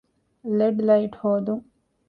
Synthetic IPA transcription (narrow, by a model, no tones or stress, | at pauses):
leɖlaɪʈhoːd̪u